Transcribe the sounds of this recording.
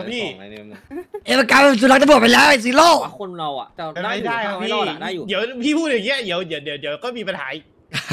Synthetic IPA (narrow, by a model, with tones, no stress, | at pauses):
a˧pʰiː˥˩ | ʔeː˧˩a˧˩kaː˧a˧˩suː˧˩la˦˥a˧ɾu˨˩ət̚pa˧jlɛː˦˥wʔa˧˩s̬iː˨˦loː˥˩o˧na˧wa̰˨˩˧aː˥˩˥a˧pʰi˥˧˩di˨˦əwpʰiː˥˩pʰuː˥˩t̚ʔiː˨˩ŋi˦˥ɐdi˩˦əwd̪i˨˦wdi˨˩˦əwdi˨˩˦əkɔː˥˩miː˧pa˧nha̰ː˩˦i˧˦